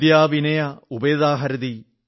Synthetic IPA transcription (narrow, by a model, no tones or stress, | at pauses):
jaːʋinɐjɐubeːd̪aːɦɐɾɐd̪i